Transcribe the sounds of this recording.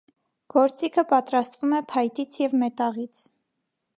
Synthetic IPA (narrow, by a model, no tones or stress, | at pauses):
ɡ̥ɔɾt͡sikʰəpɑt̪ɾɑst̪vumɛpʰɑjt̪it͡sʰjɛvmɛt̪ɑʁit͡sʰ